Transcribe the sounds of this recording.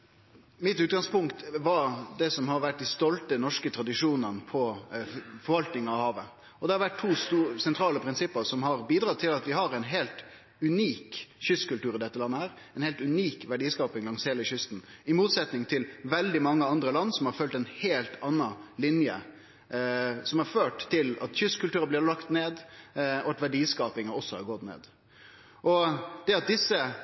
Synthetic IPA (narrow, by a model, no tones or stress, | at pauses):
mɪt̪ʉːt̪ɡɑŋspʊŋkt̪ʋɑɾd̪ɛsɔmhɑɾʋæʈ̚d̪ɪst̪ɔlt̪ənɔʂkət̪ʰɾɑd̪ɪʂuːnənəpʰɔ | fɔɾʋɑlt̪nɪŋəɑʋhɑːʋə | ɔd̪ɛhɑɾʋæʈ̚t̪ʰuːst̪usɛnt̪ʰɾɑːləpʰɾɪnsɪpːəsɔmɦɑɾbiːd̪ɾɑt̪ʰɪlɑt̪ʋɪhɑɾɛɪnɦeːlt̪ | ʉniːkçʏst̪kʉlt̪ʉːɾɪd̪ɛt̪ːəlɑnːəhæːɾ | ɛnheːlt̪ʉniːkʋæɖiːskɑːpɪŋlɑŋsheːləçʏst̪n̩ɪmuːt̪sɛt̪nɪŋt̪ʰɪlʋɛld̪ɪmɑŋːəɑnd̪ɾəlɑnːsɔmhɑɾfœlt̪ɛnheːlt̪ɑnːɑlɪnjə̰ | sɔmhɑɾføːʈt̪ʰːɪlɑt̪çʏskʉlt̪ʉːɾəblɪɾlɑkt̪neːd̪ɔɑt̪ʋæɖiːskɑːpɪŋəɔsːɔhɑ̰ɾɡɔt̪nḛːd̪ | ʔɔd̪̥ɛɑt̪̚d̪ɪsːə